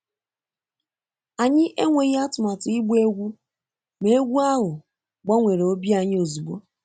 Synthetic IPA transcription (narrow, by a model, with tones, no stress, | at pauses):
a˨ɲɪ˦ʔe˦ŋʷe˨ɣa˦tʊ˨ma˨tʊ˨i˦ɡ͡bʷe˦ɡʷu˦ | me˦e˦ɡʷu˦a˦ɦʊ˨ | ɡ͡ba˦ŋʷe˨ɾe˨o˦bi˦a˨ɲɪ˦o˨zu˨ɡ͡bo˦